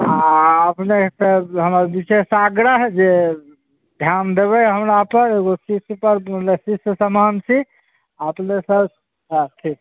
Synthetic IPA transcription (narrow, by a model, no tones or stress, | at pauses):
ãəpnesəɦəmabisesaɡɾəɦd͡ʒe | d̪ʱjand̪eβɛɦəmɾapəɾeɡosispəɾməlesisəsəmant͡ʃʰi | aəpnesəb | ɦʈʰik